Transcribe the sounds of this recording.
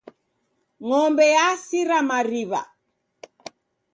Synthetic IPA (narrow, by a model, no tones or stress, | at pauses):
ŋɔmbɛjasiɾamaɾiβa̰